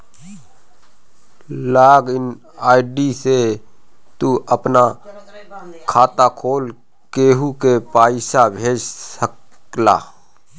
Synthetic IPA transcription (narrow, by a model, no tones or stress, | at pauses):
laːɡɪn | aːɪɖise | t̪uʔəpna | kʰaːt̪akʰoːl | keːɦukepaːɪʃabʱeːd͡ʒsəkla̰ː